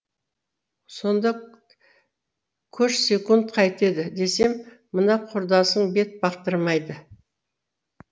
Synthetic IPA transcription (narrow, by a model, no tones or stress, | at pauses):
so̞nd̪ɑ | kʲʰɵʃsʲe̞kunt̪̚qʰɑjt̪e̞d̪ɪd̪e̞se̞mː | ənɑqʰʊɾd̪ɑsəɴbe̞t̪̚bɑqt̪əɾmɑjd̪ə